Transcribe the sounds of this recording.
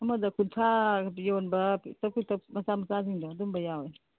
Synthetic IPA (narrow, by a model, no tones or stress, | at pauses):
ɐmɐdɐkʰuntʰajonbɐtɐkʰutɐp̚mɐsamɐsaziŋdɔɐdumbɐjawɔj